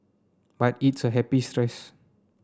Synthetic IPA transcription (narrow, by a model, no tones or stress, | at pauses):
batitsəɦɛpistɹɛs